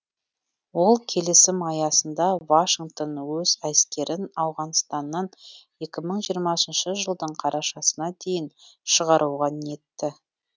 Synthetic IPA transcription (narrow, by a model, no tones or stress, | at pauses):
wo̞lˠkʲʰe̞lɪsɪmɑjɑsənd̪ɑvaʃiŋɡt̪o̞nwɵzæskʲe̞ɾɪnɑwʁɑnst̪ɑnːɑn | e̞kʲɪməɴʒijəɾmɑsənʃəʒəlˠd̪əɴqʰɑɾʔɑʃɑsənɑd̪e̞jɪnʃəʁɑɾʔuwʁɑne̞t̪ːɪ